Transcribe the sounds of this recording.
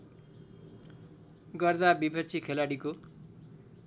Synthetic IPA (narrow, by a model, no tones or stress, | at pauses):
ɡʌrd̪abibʱʌt͡sʰikʰelaɽiko